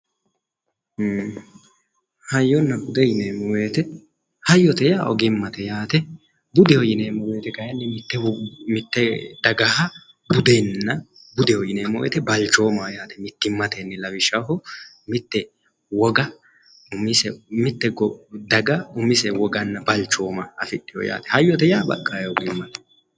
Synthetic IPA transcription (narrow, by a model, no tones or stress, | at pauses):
hɐjːɔnːɐbʊd̪ɛjɪneːmɔweːt̪ɛ | hɐjːɔt̪ɛjaʔɔ̰ɡɪmːɐt̪ɛjaːt̪ɛ | bʊd̪ɛɔjɪneːmɔweːt̪ɛɡɐjɐnːɛmɪt̪ːɛmɪt̪ːɛd̪ɐɡɐhɐ | bʊd̪ɛnːɐ | bʊd̪ɛɔjɪneːmɔwɛ̰t̪ɛbɐlt͡ʃːo̞ːmɐjaːt̪ɛmɪt̪ːɪmːɐt̪ɛnːɛlɐwɪʃɐɦɔ | mɪt̪ːɛ | wɔɡɐ | ʊmɪsɛmɪt̪ːɛɡɔd̪ɐɡɐʊmːɪsɛwɔɡɐnːɐbɐlt͡ʃːo̞ːmɐɐfɪɗːɪjɔ̰ja̰ːt̪ɛ̥hɐjːɔt̪ɛjaːbɐ̰kʼːajɛɔɡɪmːɐt̪ɛ̥